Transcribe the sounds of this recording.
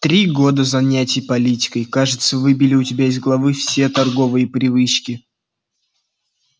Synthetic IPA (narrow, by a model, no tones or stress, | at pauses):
t̪ɾʲiɡo̞d̪əzɐnʲætʲɪjpɐlʲitʲɪ̥kəjkaʐɨt̪səvɨbʲɪlʲɪʊtʲɪbʲæɪzɡlˠɐvɨfsʲet̪ɐrɡo̞vɨjəpɾʲɪvɨt͡ɕkʲɪ